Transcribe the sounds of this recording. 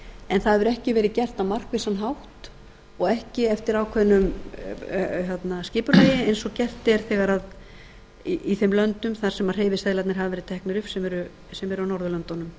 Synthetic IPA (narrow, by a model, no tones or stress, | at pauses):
ɛnθaðvʏɾɛhcɪvɛːɾɪcɛr̥t̪amar̥kvɪsanɦawht̪ | ɔɣɛhcɪɛft̪ɪɾaːwkʰvɛðnʏm | ɦjɛt̪nascɪːpʏreːjɪejnsɔcɛr̥t̪ɛɾ̥θɛɣaɾað | iiθɛmlœnt̪ʏmθaɾ̥sɛmaɾ̥r̥eːjvɪsɛðlat̪nɪɾ̥ɦavavɛːɾɪt̪ʰɛhknʏɾʏfsɛmɛɾʏ | sɛmɛɾʏawnɔɾðʏlœnt̪ɔnʏm